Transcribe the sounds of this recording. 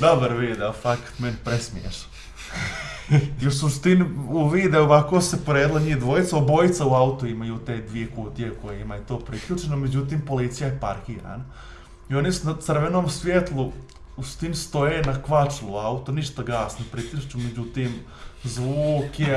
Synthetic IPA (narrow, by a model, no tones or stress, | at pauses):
d̪obaɾʋiːd̪eofakḁt̪menpɾesmiḛʃa | iusust̪inuʋiːd̪eoʋakoːsepoɾeːd̪lˠaɲiːd̪ʋo̞jit̪saobojit̪sauaut̪uimajuːt̪e̞ːd̪ʋijekuːt̪jekojeimajet̪oːpɾiklʲuːt͡ʃenomed͡ʑut̪̬iːmpo̞lit̪sijajepaɾkiːɾa̰ːna | io̞nisunat̪sr̩ʋenoːmsʋjet̪lˠu | ust̪inst̪o̞jeːnakʋat͡ʃluaut̪oniʃt̪aɡaːsnapɾit̪iʃt͡ʃumed͡ʑut̪iːm | zʋuːke